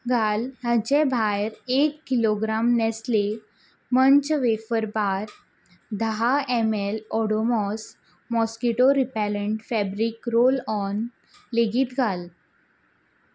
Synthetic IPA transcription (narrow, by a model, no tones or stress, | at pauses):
ɡʱalɦəd͡ʑɛ̃bʱajɾekːiloɡɾamnɛsle | mənt͡ɕʋefəɾbaɾ | d̪ʱəɦaemelɔɽomɔs | mɔskiʈoɾipɛləɳʈfɛbɾikɾolɔn | leɡiːt̪ɡʱal